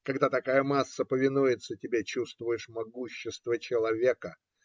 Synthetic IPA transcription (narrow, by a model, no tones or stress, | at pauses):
kɐɡd̪at̪ɐkajəmasːəpəvʲɪnujɪt̪sətʲɪbʲet͡ɕust̪vʊjɪʂmɐɡuɕːɪst̪vət͡ɕɪlˠɐvʲekə